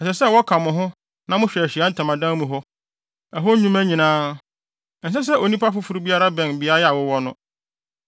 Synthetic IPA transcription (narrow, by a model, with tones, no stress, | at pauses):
ɛ˨sɛ˨sɛ˦˨wɔ˦kʰã˨mʊ̃˨ɦʊ̃˦ | nã˦mʊ̃˦ɕᶣɛ˨æ˨ɕi˨a˦n̩˦tʰã˨mã˨dã˦mũ˨ɦɔ˦ | ɛ˨ɦo˦ũ˦mæ˦ɲĩ˨nãː˦˨ | n̩˨s̬ɛ˦s̬ɛ˦ʔo˨nĩ˦pa˦fʊ˦fʊ˨ɾu˦bi˦a˦ɾa˦bɛ̃˨nbi˦a˦jɛ˦a˨wʊ˦wɔ˦nʊ̰̃˦